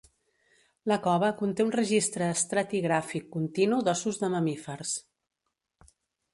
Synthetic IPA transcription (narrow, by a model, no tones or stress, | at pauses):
ləkɔβəkunt̪eunrəʒist̪ɾəːst̪ɾat̪iɣɾafikːunt̪inuðɔsuzðəməmifərs